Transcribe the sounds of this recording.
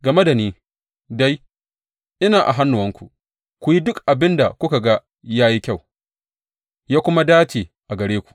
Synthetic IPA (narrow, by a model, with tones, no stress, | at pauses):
ɡɐ˨me˦da˨niː˦ | da˦j | ʔɪ˦naː˨ʔa̰˨ɦa˦nːʊ˨ɐ˦ŋkʷu˨ʔ | kʷu˨ji˦dʊ˦kʔa˨bɪ˦nda˨kʷʊ˦ka˨ɡa˦ | jaː˦ji˦kʲa˦˨w | jaː˦kʷʊ˦ma˦daː˦t͡ʃeː˨ʔa˨ɡɐ˨ɽeː˦kʷu̥˨ʔ